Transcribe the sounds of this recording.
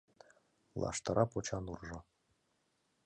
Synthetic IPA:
lˠɑ̰ʂt̪ɤ̆ɾʔɑpot͡ɕɑnurʐɤ̆

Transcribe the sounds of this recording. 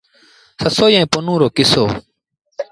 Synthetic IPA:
səsoːjẽːpʊnũːɾoːkɪso̰ː

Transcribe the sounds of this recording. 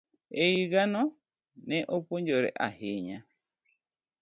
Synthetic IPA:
ejiɣanɔ | nɛʔopoɲd͡ʒoɾɛ̰ʔa̰hiɲa

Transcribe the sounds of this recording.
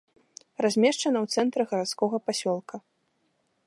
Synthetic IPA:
razʲmʲɛʂt͡ʂɐnɐwt̪sɛnt̪ɾɨɣɐɾat̪skɔɣɐpasʲɔlˠkʰɐ

